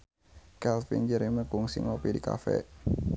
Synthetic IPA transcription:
kɛlfḭnd͡ʒəɾiməkuŋsiŋopidika̰fɛ̰

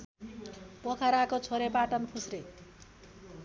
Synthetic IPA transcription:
pokʰaɾakot͡sʰoɾepaʈʌnkʰusre

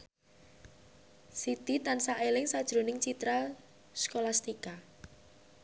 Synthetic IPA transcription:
sit̪it̪ansaʔelɪŋsad̥ʒ̥ɾo̤nɪŋt͡ʃit̪ɾa | skolast̪ika

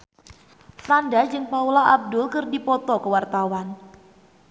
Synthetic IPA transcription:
fɾandad͡ʒɨŋpaulaʔab̚dʊlkərdipɔt̪ɔkəwart̪awan

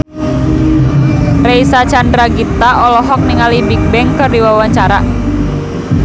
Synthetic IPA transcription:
reisat͡ʃandɾaɡit̪aʔɔlɔɦɔk̚niŋalibik̚bɛŋkərdiwawaɲt͡ʃaɾa

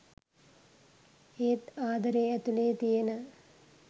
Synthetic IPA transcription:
eːt̪aːd̪ɐɾeɛt̪uleːt̪ijenə

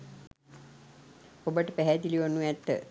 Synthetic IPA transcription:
obəʈəpæɦɛd̪iliʋonːuɛt̪ːə̰

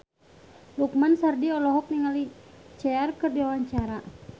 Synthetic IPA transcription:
luk̚mansardiɔlɔɦɔk̚niŋalit͡ʃɛarkɨrdiwawaɲt͡ʃaɾa

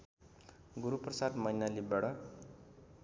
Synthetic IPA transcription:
ɡuɾuprʌsadmʌjnalibaɽʌ

